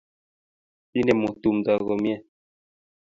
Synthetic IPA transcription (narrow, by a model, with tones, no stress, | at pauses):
i˦nɛ˨mo˨tu˨md͡za˨ɣɔ˨mjɛ˦